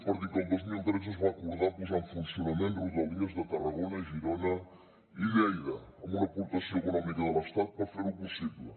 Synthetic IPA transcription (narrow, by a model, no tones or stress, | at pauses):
pɐɾt̪ikɐ̃md̪oʒniẽnt̪ɾez̬ɐʒvãɐkuɾðaɾpuzɐ̃fũsijunɐmẽnt̪uuzɐlˠiɐʒðɐt̪ɐʁɐɣonɐẽʒiɾonɐ | iɣɛjðɐɐmũnɐpuɾt̪ɐsɐ̃wekunɔmikɐðɛlˠɐʃt̪aðpɾɐfɐzeɾupusiβlˠ